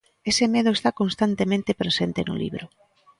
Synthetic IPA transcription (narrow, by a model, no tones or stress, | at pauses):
esemeð̞ʊest̪akonst̪ant̪emẽnt̪epɾesent̪enʊ̰lḭβɾʊ